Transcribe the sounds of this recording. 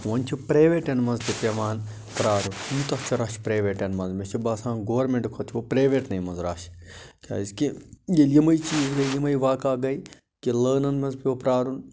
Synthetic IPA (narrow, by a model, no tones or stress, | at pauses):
ʋɐnʲt͡ʃʰipɾeːʋeːʈɐnmɐnzt̪ipʲɐʋaːn | pɾaːɾuniːt̪ɐt͡ʃʰiɾaːʃpɾeːʋeːʈɐnmɐnzmet͡ʃʰibɐːsãːnɡoːɐɾmeɳʈkʰot̪ʰiʋopɾeːʋeːʈnɐjmɐnzɾaːʃkʲʰa̰ːiskijelimɐjt͡ʃiːzɡɐlimɐjʋaːkaːɡɐj | kiləːnɐnmɐnzpʲiʋɐpɾaːɾun